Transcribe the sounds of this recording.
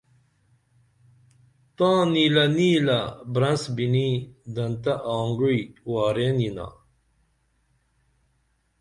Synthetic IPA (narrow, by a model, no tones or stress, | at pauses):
t̪ãːniːlɐniːlabɾɐnsbinid̪ɐnt̪aʔaːŋɡijkwaːɾenina̰